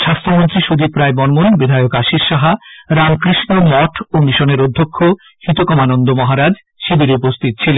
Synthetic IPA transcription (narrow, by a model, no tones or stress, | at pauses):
ʃast̪ɾomont̪ɾiʃud̪ipːɾaebɔnmonbid̪ʱaeokaʃiɾʃaɦaɾamkɾiʃnomɔʈʰomiʃoneɾod̪ʱːokʰːo | hit̪okɔmanond̪omɔɦaɾad͡ʑ | ʃibiɾeupost̪ʰit̪̚t͡ɕʰilen